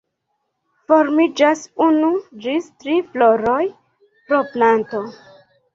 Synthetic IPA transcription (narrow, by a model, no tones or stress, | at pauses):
foɾmid͡ʒasunud͡ʒistɾifloɾoj | pɾoplanto